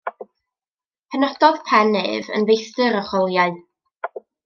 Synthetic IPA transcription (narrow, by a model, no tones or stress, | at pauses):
pʰənɔd̥ɔð̥pʰɛnɨvə̰nvejθtɨɾɔχɔlˠjaɨ